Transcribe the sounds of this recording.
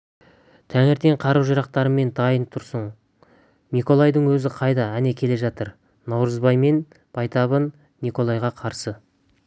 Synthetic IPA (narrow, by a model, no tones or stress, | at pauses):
t̪ʰæŋeɾt̪e̞ɴqʰɑɾuwʒəɾɑq̚t̪ɑɾəme̞nd̪ɑjənt̪ʰʊɾsəɴ | niko̞lˠajd̪əɴwɵzɪqʰɑjd̪ɑæne̞kʲʰe̞le̞ʒɑt̪əɾ | nɑwɾəzbɑjme̞n | b̥ɑjt̪ɑβənː | iko̞lˠɑjʁɑqʰɑɾsə